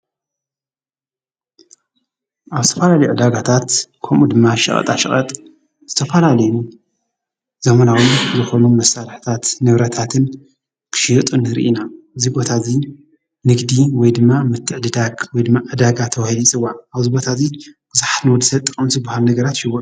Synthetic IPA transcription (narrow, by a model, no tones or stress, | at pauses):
ʔaβzɨt̪ʰɐfɐlalɐjuʕɨd̪aɡat̪ʰat̪kʰomʔud̪ɨmːaʃɐ̰χʼɐ̰t̪ʼa̰ʃɐ̰χʼɐ̰t̪ʼ | z̥ɨt̪ʰɐfɐlalɐjnu | z̥ɐmɐnawizɨxo̞numɐsalħt̪ʰat̪nɨβɾɐt̪ʰat̪ʰɨn | kʰɨ̥ʃijɛt̪ʼunɨɾḭʔinaɨzibo̞t̪ʰazi | nɨɡd̪iwɔjd̪ɨmːamɨt̪ʰːɨʕd̪ɨd̪aɡwɔjd̪ɨmːaʕɨd̪aɡat̪ʰɐwahilit͡sʼɨwːaaβzibo̞t̪ʰazib̥ɨzaħat̪nwɔd̪ɨsɐt̪ʼːɨxʼɐmzɨbahalnɐɡɐɾat̪ʃɪwːo